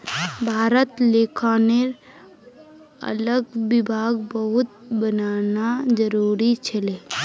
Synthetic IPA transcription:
bʱaːɾət̪leːkʰaːneɾ | ə̰ləɡʋɪbʱaːɡbəɦʊt̪̚bənaːnad͡ʒəɾuːɾit͡ʃʰəleː

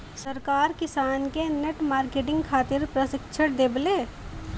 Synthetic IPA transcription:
sɐɾkaːɾkɪsaːnkeneʈmaːɾkeːʈɪ̃ŋɡkʰaːt̪ɪɾpɾəsɪkʃʰəʈd̪eːbleː

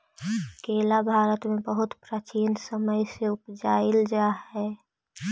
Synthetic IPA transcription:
keːlabʱaːɾət̪mẽbəɦʊt̪pɾət͡ʃiːnsəməjseʊpd͡ʒaːɪld͡ʒaːhɛ

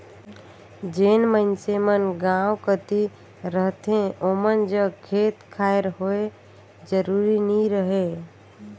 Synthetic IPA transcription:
d͡ʒenmənsemənɡãwkət̪i | ɾəɦt̪ʰẽomənd͡ʒəkʰet̪kʰaeɾɦoe | d͡ʒəɾuɾiniɾəɦe

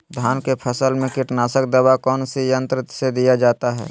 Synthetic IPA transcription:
d̪ʱjaːnkepʰəsəlmẽkɪʈnaːsək̚d̪əbakɔːnsijə̃nt̪ɾɪt̪sed̪ijad͡ʒaːt̪aɦɛ̰ː

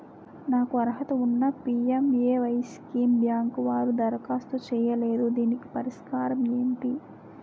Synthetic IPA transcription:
naːkuɐɾɐɦɐt̪ɐunːɐpiːemeːʋɐjskiːmbjaːŋkʋaːɾud̪ɐɾɐkaːst̪ut͡ʃɛːjɐleːd̪ud̪iːniki̥pɐɾiʂkaːɾɐme̞ːɳʈi

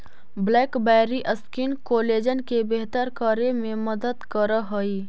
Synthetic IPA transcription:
blɛːkbɛːɾiʔəskinkoːleːd͡ʒənkebeɦt̪əɾkəɾemẽməd̪əd̪kəɾəɦəi

